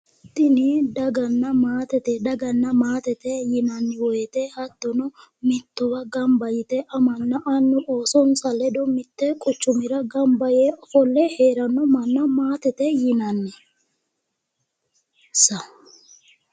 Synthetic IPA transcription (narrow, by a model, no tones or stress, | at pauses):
t̪ːɪnid̪ɐɡɐnːɐmaːt̪ɛt̪ɛd̪ɐɡɐnːɐmaːt̪ɛt̪ɛjɪnɐnːɪwɔjɛt̪ɛhɐt̪ːɔnɔ | mɪt̪ːɔbɐɡɐmbɐjɪt̪ɛʔɐmɐnːɐʔɐnːʊʔoːsɔnsɐlɛd̪ɔmɪt̪ːɛkʼʊt͡ʃːʊmɪɾɐɡɐmbɐjɛɔfɔlːɛheːɾɐnːɔmɐnːɐmaːt̪ɛt̪ɛjɪnɐnːɛ | sɐ